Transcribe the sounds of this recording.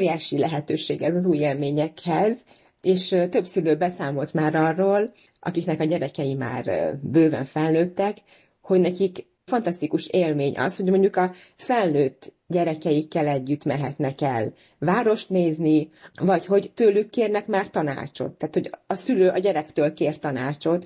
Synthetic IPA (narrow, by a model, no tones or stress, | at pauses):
ɾijaːʃilɛɦɛt̪øːʃeːɡɛzɒzuːjeːlmeːɲɛkhɛz | eːʃt̪øbsyløːbɛsaːmo̞lt̪maːɾɒrːoːl | ʔɒ̰kiknɛkɒɟɛɾɛkɛjima̰ːrbøːvɛ̰ɱfɛlnøːt̪ːɛk | ho̞ɟnɛkik | fɒnt̪ɒst̪ikuʃeːlmeːɲʔɒ̰sho̞ɟmo̞ɲɟukɒ | fɛlnøːt̪ː | ɟɛɾɛkɛjikːɛlɛɟːyt̪mɛɦɛt̪nɛkɛ̰l | vaːɾo̞ʃt̪neːznivɒcho̞ɟt̪øːlykːeːrnɛkmaːrt̪ɒna̰ːt͡ʃo̞̰t̪ːaːt̪ho̞ɟɒsyløːʔɒɟɛɾɛkt̪øːlkeːrt̪ɒnaːt͡ʃo̞t̪